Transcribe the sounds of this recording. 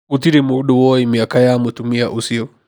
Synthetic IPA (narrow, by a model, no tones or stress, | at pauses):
utiɾimuɗuwɔimiakajamutumia̰ʔusiɔ